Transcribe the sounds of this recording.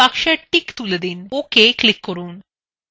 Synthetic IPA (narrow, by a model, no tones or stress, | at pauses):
akʂɐʈikt̪ulɐd̪inoːkeklikːɔɾuːn